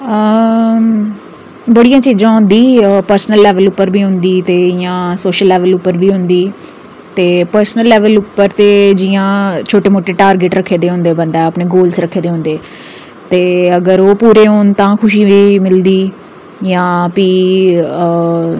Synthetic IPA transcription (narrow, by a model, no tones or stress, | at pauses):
ə | bəɽijãːt͡ʃiːzãːɦʊ̃nd̪iːpəɾsnəlːɛːʋəlʊpːəɾbʱiːɦʊ̃nd̪iːt̪eːɪjãːsoːʃəlːɛːʋəlʊpːəɾbiːɦʊ̃nd̪iː | t̪eːpəɾsnəlːɛːʋəlʊpːəɾt̪eːd͡ʒɪjãːt͡ʃʰoːʈeːmoːʈeːʈaːɾɡɪʈɾəkʰːeːd̪eːɦʊ̃ːnd̪eːbənd̪ɛːəpneːɡoːlsɾəkʰːeːd̪eːɦõnd̪eː | t̪eːəɡəɾoːpuːɾeːɦoːnt̪ãːkʰʊʃiːiːmɪld̪iː | jãːpiː